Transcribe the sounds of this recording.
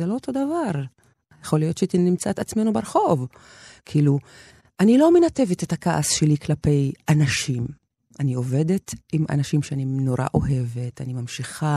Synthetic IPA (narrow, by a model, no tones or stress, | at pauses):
zelo̞oto̞davaʁ | jeχo̞lijo̞tʃt̪inimt͡saet̪at͡smenubeɾχo̞v | kʰiːlu | ʔanilo̞me̞nate̞vetetakaʔasʃe̞liklape̞janaʃim | ʔanio̞ve̞de̞timʔa̰naʃimʃeanino̞ʁa̰ʔo̞ɦe̞ve̞tanimamʃiχa